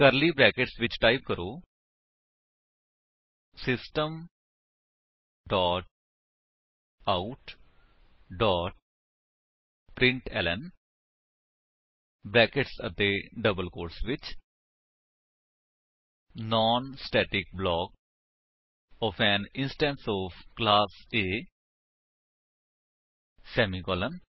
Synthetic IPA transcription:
kəɾliːbɾɛːkɪʈsʋɪt͡ʃʈaːɪp̚kəɾoː | sɪsʈəm | ɖɔːʈ̚ | aʊʈ | ɖɔːʈ̚ | pɾɪ̃ɳʈɛ̰ːlɛn | blɛ̃ːkəʈsət̪eːɖəbəlkoːɾsʋɪt͡ʃ | nɔːnsʈɛːʈɪk̚blɔːɡ | ɔːpʰɛːnɪ̃nsʈɛ̃ːnsɔːfʰklaːseː | sɛːmiɡɔːlən

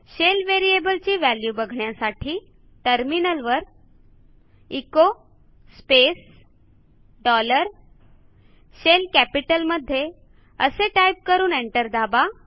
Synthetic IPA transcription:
ɕelʋeɾiebəlt͡ɕiːʋæljubəɡʱɳjasaʈʰiː | ʈəɾminəlʋəɾ | iko | spes | ɖɔləɾ | ɕelkæpiʈəlməd̪ʱːje | əseʈajp̚kəɾuːneɳʈəɾd̪aba

